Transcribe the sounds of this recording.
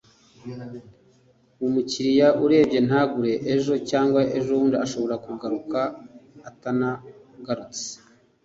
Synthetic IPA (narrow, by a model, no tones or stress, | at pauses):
umuciɾijaʔuɾe̞ːbɟe̞n̥haːɡuɾe̞ʔeʒo̞caːŋɡwaʔeʒouːndiaʃo̞βo̞ɾakuɡaɾukaː | tana | ɡaɾut͡se̥